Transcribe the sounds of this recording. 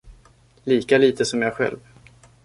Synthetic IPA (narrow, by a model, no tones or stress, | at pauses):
liːkaliːt̪əsɔmjɑːɡɧɛ̰lv